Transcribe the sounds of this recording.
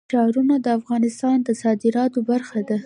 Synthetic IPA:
ʃɑɾunad̪əafɣɑnɪst̪ɑnd̪əsɑd̪ɪɾɑt̪obaɾxad̪a

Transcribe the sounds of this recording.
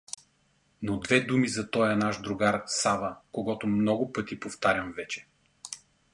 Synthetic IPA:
nod̪vɛd̪umizɐt̪ɔjɐnaʒd̪ɾʊɡaɾsavəkoɡɔt̪ʊmnɔɡʊpɤt̪ipoft̪aɾʲjɐmvɛt͡ʃɛ̥

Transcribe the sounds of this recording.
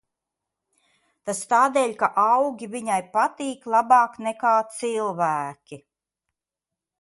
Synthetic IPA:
t̪ast̪aːd̪eːʎʲkaʔawɡʲiviɲajpat̪iːklˠabɑːknɛkaːt̪silˠvæːkʲi

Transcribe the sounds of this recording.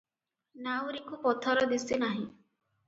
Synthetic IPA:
nawɾikupɔt̪ʰɔɾɔd̪isinaɦĩ

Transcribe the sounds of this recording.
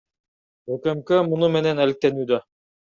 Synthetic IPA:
økemkømunume̞ne̞nælik̚t̪e̞nyːd̪ø

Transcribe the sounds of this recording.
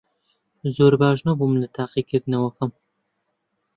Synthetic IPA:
zoːɾbaːʒnobumlɨt̪ʰaːqikʰɨɾd̪ɨnɐwɐkɐm

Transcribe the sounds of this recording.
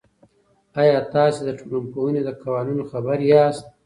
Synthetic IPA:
ajɑːt̪ɑːsed̪əʈʰulumkowuned̪əkawɑːnunoxabəɾjɑːst̪̚

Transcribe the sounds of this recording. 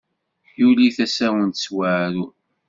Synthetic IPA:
çjuliθæsæwənt̪swaʕɾu

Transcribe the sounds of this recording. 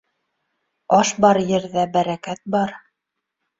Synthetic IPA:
ɑʃbɑɾjɘ̆ɾðæbæɾækæt̪̚bɑɾ

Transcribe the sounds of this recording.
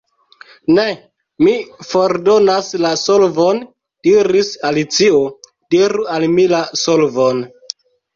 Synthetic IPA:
ne | mifo̞ɾdonaslasolvon | d̥iɾisalit͡sio | d̥iɾualmilasolvon

